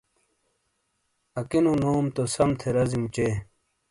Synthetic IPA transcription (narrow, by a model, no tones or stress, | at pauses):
ɐkinũnoːmt̪osɐmt̪ʰeɾɐzimt͡ɕeː